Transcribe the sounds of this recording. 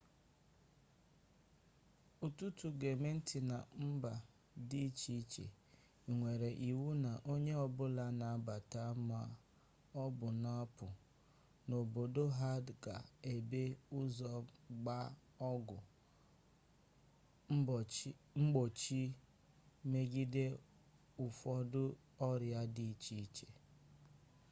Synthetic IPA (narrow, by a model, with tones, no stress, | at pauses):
u˨tu˦tu˨ɡe˨me˦n̩˦tɪ˨na˨m̩˦ba˨ | di˦t͡ʃi˦t͡ʃḛ˨ | i˨ŋʷe˨ɾe˨ʔi˨wu˦na˨ʔo˦ɲe˦ɔ˨bʊ˦la˦na˨a˦ba˨ta˦ma˦ | ɔ˦bʊ˨na˦pʊ˨ | no˨bo˨do˦ɦa˦dka̰˨e˨be˦ʊ˦zɔ˨ɡ͡ba˦ | ɔ˦ɡʊ˨˦ | ŋ͡m̩˦ɡ͡bo˨t͡ʃi˦ | me˦ɡi˦de˦ | ʊ˨fɔ˦dʊ˦ | ɔ˦ɾja˦di˦i˦t͡ʃi˦t͡ʃe̥˨